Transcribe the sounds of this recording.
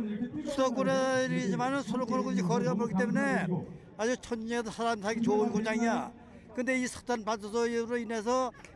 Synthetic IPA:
sʰudʌk͈oɾeɾid͡ʑimanɯnsʰoɾokʰoɾokod͡ʑikʌɾiɡapʌɾkit̪̬͈e̞mune̞ | ad͡ʑut͡ɕʰʌɲiɲidsʰaɾamisʰaɡit͡ɕonkud͡ʑaŋija | kɯnde̞isʰʌ̥k̚t͈anpat͡ɕʰʌsʰʌiuɾoine̞sʰʌ

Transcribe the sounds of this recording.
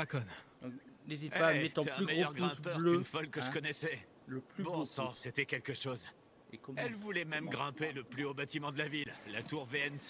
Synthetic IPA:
akɔn | nezit̪aɛtt̪t̪ɛ̃mejœʁɡʁɛ̃pœʁlynfɔlkəʒəkɔnɛsɛ | ləpbɔ̃sɑ̃set̪ɛkʲɛlkəʃoz | ekɔɛlvulɛmɛmɡʁɛ̃peləplyobat̪imɑ̃d̪əlavilːat̪uʁveɛns

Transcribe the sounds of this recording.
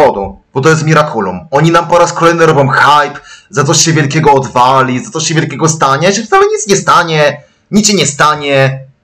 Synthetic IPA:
ɔd̪ub̥ɔt̪ɔjɛst̪mʲiɾakʰulṵmɔɲinampɔɾaskɔlɛjnɘɾɔbʲjɔ̃mxajpzat̪ɔɕɕɛvʲjɛlkʲɛɡɔːd̪valʲizat̪sɔɕɕɛvʲjɛlkʲɛɡɔst̪aɲaiʐɛft̪salɛɲit̪sɲɛst̪aɲɛ | ɲit̪ɕɛɲɛst̪aɲɛ

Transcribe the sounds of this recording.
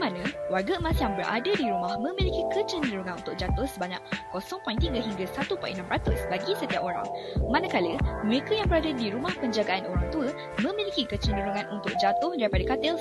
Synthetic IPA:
mãnə̃warɡəmãsjaŋbərʔa̰dədiɾumahmə̃milikikət͡ʃəndəɾuŋãnṵnt̪ʊk̚d͡ʒat̪ʊhsəbaɲa̰kːosɔŋpɔint̪iŋɡəɦiŋɡasat̪upa̰ʔḭnampɾat̪ʊsbaɡisət̪iapoɾa̰ŋ | manəkaləməɾekajaŋbəɾadədiɾumahpəɲd͡ʒaɡaʔanoɾaŋt̪uə | mə̃milikikət͡ʃəndəɾuŋãnʔunt̪ʊk̚d͡ʒat̪ʊhdaɾipadakat̪əl

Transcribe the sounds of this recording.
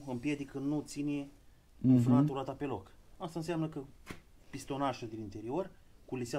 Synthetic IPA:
ɨmpje̞d̪ikənut̪sine | nfnat̪uɾat̪ape̞lo̞kast̪aɨns̬eamnəkə | pist̪o̞naʃuld̪inint̪e̞ɾio̞rkulisea

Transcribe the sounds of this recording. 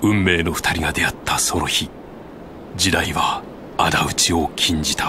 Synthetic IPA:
ɯ̟̃mːe̞ːno̞ɸɯ̥t̪aɾʲiɡad̪e̞at̪ːaso̞nɾo̞çi | d͡ʑid̪aiβaː | d̪aɯ̟t͡ɕio̞kʲʰĩɲ̟d͡ʑit̪a

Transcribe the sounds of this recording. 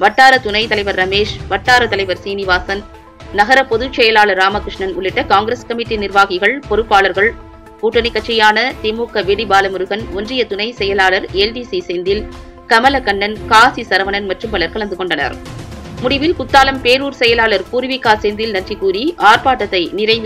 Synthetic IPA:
ʋɐʈːaːɾɐt̪ʊnɐɪt̪ɐlɐɪʋɐɾːɐmeːʂʋɐʈːaːɾɐt̪ːɐlɐɪʋɐɾsiːnɪʋaːsɐn | nɐɣɐɾɐpɔðɯt͡ʃːɛjɐlaːɭɐɾːaːmɐkɾɪʂɳɐnʊɭːɪʈːɐkaːŋɡɪɾeskɐmɪʈːinɪɾʋaːɣɪɣɐɭpɔɾɯpːaːlɐɾɣɐɭ | kuːʈːɐnɪkːɐʈ̚t͡ʃːɐjaːnɐt̪ɪmuːkɐʋeɽibaːlɐmʊɾɯɣɐnɔndrɪjɐt̪ʊnɐɪsɛjɐlaːlɐɾelɖiːsiseːnd̪ɪl | kɐmɐlɐkɐɳːɐnkaːsisɐɾɐʋɐnɐnmɐʈrɯmbɐlɐɾkɐɭɐnd̪ɯkɔɳɖɐnɐ̰ɾmʊɽɪʋɪlkʊt̪ːaːlɐmpeːɾuːɾsɛjɐlaːɭɐɾkuːɾɪʋɪkːaːɾseːnd̪ɪlnɐnrikːuːɾiaːɾpaːʈːɐt̪ːɐɪnɪɾɐɪʋ

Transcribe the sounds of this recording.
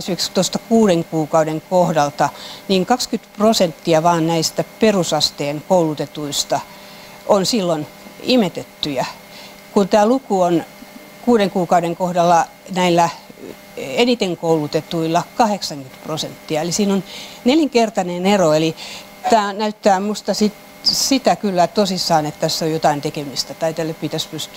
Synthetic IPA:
sʋikst̪ost̪ɑ̥kuːdeŋkuːkɑudeŋkohdɑlt̪ɑniːŋkɑkskyt̪prosent̪ːiɑʋɑːnnæist̪æperusɑst̪eːŋkoulut̪et̪uist̪ɑ | ʔonsilːon | imet̪et̪ːyjɑ | kunt̪æːlukuon | kuːɾeŋkuːkɑuɾeŋkohdɑlːɑ | næilːæ | enit̪eŋkoulut̪et̪uilːɑkɑheksɑŋkyt̪prosent̪ːiɑelisiːnonneliŋkert̪ɑneneroeli | t̪æːnæyt̪ːæːmust̪ɑsit̪ | sit̪ækylːæt̪osisːɑːnet̪t̪ːæsːojot̪ɑint̪ekemist̪æt̪ɑit̪elːeppit̪æspyst̪yæ

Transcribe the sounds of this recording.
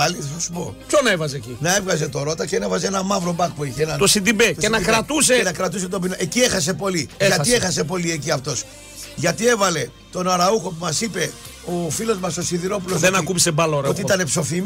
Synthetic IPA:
ɐliθθɐsu̥po̞pçonɐevɐzecinɐe̞vɣɐze̞t̪o̞ɾo̞t̪ɐcenevɐzeenɐmɐvɾobɐkpuiçeenɐt̪osid̪ibet̪oseinɐkɾɐt̪useenɐkɾɐt̪us̬e̞t̪obinɐʔecie̞xɐs̬e̞po̞liɐt̪iexɐs̬e̞p̬o̞lie̞ciɐft̪o̞s | ʝɐt̪ie̞vɐle̞ | t̪o̞nɐɾɐuxo̞pumɐsipe̞ | o̞filo̞zmɐsosiðiɾo̞p̬ulozenɐkumisebɐloɾɐot̪iit̪ɐne̞pso̞fim

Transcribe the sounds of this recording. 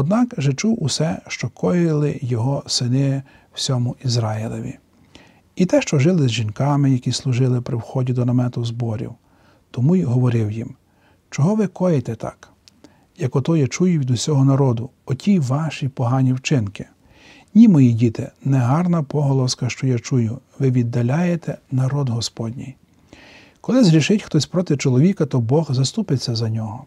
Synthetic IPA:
ɔd̪nɑkʒɛt͡ʃuwusɛʃt͡ʃɔkʰɔjɪlˠɪjɔɦɔsɪnɪ | w̥sʲɔmʊʔizɾɑɪlˠɔʋʲḭ | it̪ɛʃt͡ʃɔʒɪlˠɪzʒinkɑmɪjɐkʲislˠʊʒɪlˠɪpɾɪwxɔdʲid̪ɔnɐmɛt̪ʊzbɔɾʲḭw | t̪ɔmujɦɔʋɔɾɪwjim | t͡ʃɔɦɔʋɪkɔjet̪ɛt̪ʰɑ̰k | jɐkɔt̪ɔjat͡ʃujʊʋʲid̪ʊsʲɔɦɔnɐɾɔd̪ʊ | ɔtʲijʋɑʃipɔɦɑnʲiwt͡ʃɪnkɪ | nʲimɔjidʲit̪ɪnɛɦɑrnɐpɔɦɔlˠɔskɐʃt͡ʃɔjat͡ʃujʊʋɪʋʲid̪ːɐlʲajet̪ɛnɐɾɔd̪ɦɔspɔdʲnʲij | kɔlˠɪzɦɾʲiʃɪtʲxt̪ɔsʲpɾɔt̪ɪt͡ʃɔlˠɔʋʲikɐt̪ɔbɔxzɐst̪upɪt͡sʲːɐzɐnʲɔɦɔ

